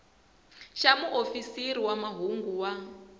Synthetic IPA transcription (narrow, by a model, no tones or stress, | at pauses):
ʃamuʔofisiɾiwamaɦuŋɡuwa